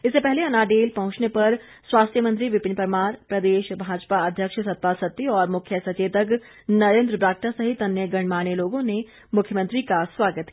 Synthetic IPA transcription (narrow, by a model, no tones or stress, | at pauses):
ɪsːepɛɦleɐnaːɖeːlpɐɦʊ̃t͡ʃnepɐɾ | swaːst̪ʰjəmə̃nt̪ɾiʋɪpɪ̃npəɾmaːɾpɾɐd̪eːʃbʱaːd͡ʒpaɐd̪ʱjəkʃsɐt̪̚paːsɐt̪ːiɔːɾmʊkʰjəsɐt͡ʃeːt̪ək | nɐɾẽːnd̪ɾəbɾaːk̚ʈasɐɦɪt̪ɐnjəɡɐɳ̃maːneloːɡõne | mʊkʰjəmə̃nt̪ɾikaswaːɡət̪